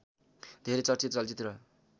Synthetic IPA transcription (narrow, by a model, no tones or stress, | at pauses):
d̪ʱeɾet͡sʌrt͡sit̪t͡sʌlt͡sit̪ɾʌ